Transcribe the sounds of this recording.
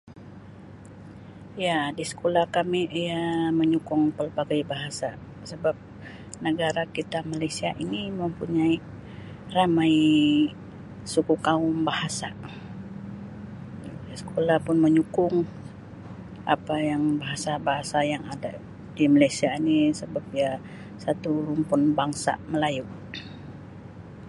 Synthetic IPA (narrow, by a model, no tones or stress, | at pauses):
jadisə̥kolahkamiʔijaməɲukʊŋpəlbaɡajbaɦasa | səbap̚ | nəɡaɾakit̪amalajsiaʔiniməmpuɲai | ramai | sukukaʊmbahasa̰ | sə̥kʰolahpʊnməɲukʊŋ | ʔa̰pajaŋbaɦasabaɦasajaŋada | dimalajsiainisəbap̚ija | sat̪uɾʊŋpʊnbaŋsa̰məlaju